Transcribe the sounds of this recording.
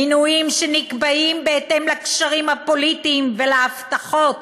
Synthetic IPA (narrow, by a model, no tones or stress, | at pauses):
inuimʃenikbaʔimbe̞et̪e̞mlakʃaʁimhapo̞lit̪iːmvelaaft̪aχo̞t̪